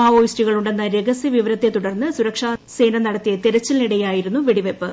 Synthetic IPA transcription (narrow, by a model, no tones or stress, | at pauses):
aːʋoːjstiɣɐɭuɳɖe̞nːɐɾeɡɐsjɐʋiʋɐɾɐt̪ːet̪uɽɐrnːɨsuɾɐkʂaːse̞ːnɐnɐɽɐt̪ːijɐt̪eɾɐt͡ɕːilniɽɐjaːjiɾunːuʋiɽiʋepːɨ